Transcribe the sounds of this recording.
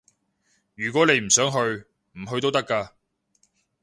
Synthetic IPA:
jyː˨˩kwɔː˨˥ne˨˧jm̩˨˩sœː˨˥ŋɦɵ˧ɥ | m̩˨˩ɦɵ˧ɥt̪o˥wt̪ɐ˥kːaː˧

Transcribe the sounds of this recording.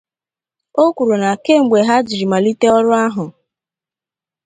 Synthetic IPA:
o˦kʷu˨ɾu˨na˨ke˦˨ŋ͡m̩˨ɡ͡be˨ɦa˦d͡ʒi˨ɾi˨ma˨li˦te˦ɔ˦ɾʊ˦a˦ɦʊ˨

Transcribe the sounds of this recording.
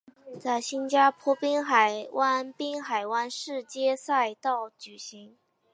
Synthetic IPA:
t͡sa˥˩ɪɕi˥nt͡ɕja˥pʰwɔ˥pi˥ŋxa˨˩ɪwa˥npi˥ŋxa˨˩ɪwa˥nʂɻ̩˥˧t͡ɕjɛ˥sa˥˧ɪt̪ɑ˥˩ʊt͡ɕy˨˩ɕi˧˥ŋ

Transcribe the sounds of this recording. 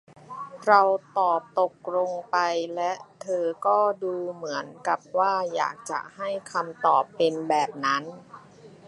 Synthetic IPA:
ɾa˧wt̪ɔː˨˩p̚t̪o˨˩k̚ɾo˧ŋpa˧jlɛ˦˥ʔt̪ʰɤː˧kɔː˥˩duː˧mɯ˩˦ənka˨˩p̚waː˥˩ja̰ː˨˩k̚t͡ɕa̰˨˩ʔha˥˩jkʰa˧mt̪ɔː˨˩pːe˧nbɛː˨˩p̚na˦˥n

